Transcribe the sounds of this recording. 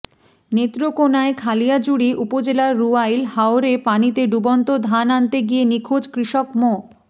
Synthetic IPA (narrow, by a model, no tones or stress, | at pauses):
net̪ːɾokonaekʰalijad͡ʑuɽiʔupod͡ʑelaɾːuajlhaoɾepanit̪eɖubɔnt̪od̪ʱanant̪eɡienikʰod͡ʑkɾiʃɔkmo